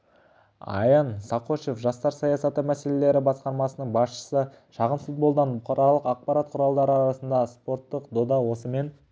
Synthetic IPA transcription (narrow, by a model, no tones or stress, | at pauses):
ɑ̰jɑnsɑqo̞ʃefʒɑst̪ɑɾsɑjɑsɑt̪əmæse̞le̞le̞ɾɪbɑsqɑɾmɑsənəɴbɑsʃə̥sə | ʃɑʁənfut̪̚bo̞lˠd̪ɑnbʊqɑɾɑlˠəqɑq̚pɑɾɑt̪̚qʰʊɾɑlˠd̪ɑɾəɑɾɑsənd̪ɑspo̞ɾt̪ːəqd̪o̞d̪ɑwo̞səme̞n